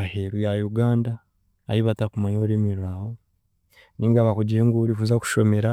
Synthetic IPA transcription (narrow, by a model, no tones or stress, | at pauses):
aheɾujajuɡaːndaː | jiβatakumaɲoɾimiɾaho | niːŋɡaβakuɟieŋɡuɾifuzaku̥ʃo̞me̞ɾa